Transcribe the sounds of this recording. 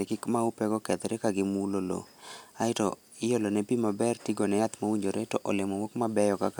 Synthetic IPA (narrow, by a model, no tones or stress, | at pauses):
ekɪkmaupɛɡɔkɛt̪ɾɛkaɡɪmulolo̰aɪtɔ | ɪjolɔnɛpimabɛrtiɡɔnɛjat̪mawiɲd͡ʒoɾɛtɔʔɔlɪmɔwokmabɛjɔkak